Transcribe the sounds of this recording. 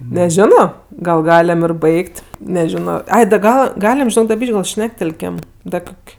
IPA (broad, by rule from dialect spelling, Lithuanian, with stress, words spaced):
nʲɛˈʒʲɪnoː ɡɐlˠ ˈɡɑːlʲɛm ɪr ˈbɐɪktʲ nʲɛˈʒʲɪnoː ˈɐɪ dɐ ˈɡɐlˠ ˈɡɑːlʲɪm ʒʲɪˈnoːk dɐ ˈbʲiːʃʲkʲ ɡɐlˠ ˈʃʲnʲæːktʲɛlʲkʲɛm ˈdɐ ˈkoːkʲ